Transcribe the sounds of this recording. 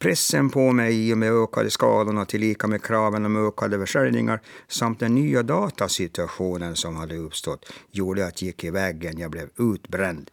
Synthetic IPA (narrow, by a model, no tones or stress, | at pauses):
pʰɾɛsːənpʰɔmɛjiːɔmeːøːka̰d̪əskɑ̰ːlʊɳat̪ʰɪlːiːkamekʰɾɑːvənɔmøːkʰad̪əfœʂɛɾnɪŋaɾsamt̪̚d̪ɛnːyːad̪ɑːt̪asɪt̪ɵaɧuːnənsɔmhad̪ːəɵpːst̪ɔt̪ːjuːɖəat̪ʰjɪkːɪvɛːɡːənjɑblɛvʉ̟ːt̪bɾɛnd̪